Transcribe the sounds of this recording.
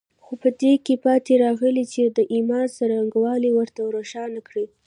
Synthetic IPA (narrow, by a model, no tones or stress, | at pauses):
xopəd̪ekepɑt̪eɾɑɣəlit͡ʃed̪əʔimɑnsaɾaŋɡwɑliwəɾt̪awɾoʃɑnakɽi